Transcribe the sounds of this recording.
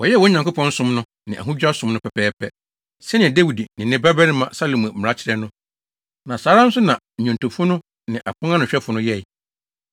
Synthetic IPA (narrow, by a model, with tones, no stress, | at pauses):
wɔ˨jɛ˦wɔ˦ɲã˨ŋko˦pʰɔ̃˦n̩˦sʊ̃˦mnʊ̃˦ | nɪ̃˨ʔa˨ɦũ˦d͡ʑᶣa˦sʊ̃˦mnʊ̃˦pʰɛ˨pʰɛː˦pʰɛ˦ | sɛ˦nɪ̃˨dɛ˦wi˨di˨nɪ̃˨nɪ̃˦bɛ˦bɛ˦nɪ̃˦mã˨sa˦lo˨mã˨m̩˨m̩˨a˦t͡ɕʰɪ˦ɾɛ˦nʊ̃˦ | nã˨saː˨˦ɾã˦n̩˦sʊ˦nã˨ɲᶣʊ̃˨ntʊ˨fʊ˦nʊ̃˦ | nɪ̃˨ʔa̰˨pʰʊ̃˦ŋã˦nʊ̃˨ɕᶣɛ˦fʊ˨nʊ̃˦jɛ˦˨i˨